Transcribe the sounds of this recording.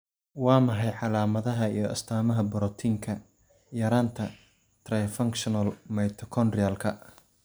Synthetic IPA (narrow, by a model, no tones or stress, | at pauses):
wɑːmɐħɑjʕɑlaːmɐðɐɦɐijɞʔɐ̰st̪ʰaːmɐɦɐbɔɾɔt̪ʰiːŋkʰɐ | jɐɾaːnt̪ʰɐ | t̪ʰrɐjfɐŋkʃɔnɐlmɛjt̪ʰɔkʰɔnrɪalkʰɐ